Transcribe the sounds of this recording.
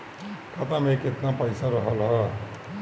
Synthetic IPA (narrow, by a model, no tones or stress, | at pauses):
kʌt̪ameket̪napʌjsaɾʌɦʌlɦʌ